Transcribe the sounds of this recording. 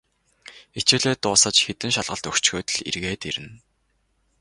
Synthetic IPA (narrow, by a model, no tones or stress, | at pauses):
et͡ɕɘ̆ɮeːt̪ʊːsə̆t͡ɕxet̪ɘ̆ŋʃaɮʁə̆ɬt̪ɵkt͡ɕxoːt̪ɵ̆ɮḭrɣeːt̪eɾɘ̆n